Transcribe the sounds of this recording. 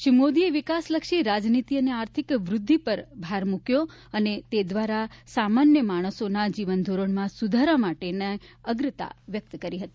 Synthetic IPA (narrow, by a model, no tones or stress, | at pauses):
ʃimod̪ieʋikasləkʃiɾad͡ʒnit̪iəneaɾt̪ʰikʋɾʊd̪ʱːipəɾbʱaɾmukjo | ənet̪ed̪ʋaɾasamanjəmaɽ̃əsonad͡ʒiʋənd̪ʱoɾəɳmãsud̪ʱaɾamaʈeneəɡɾət̪a̰ʋjək̚t̪kəɾiɦət̪i̥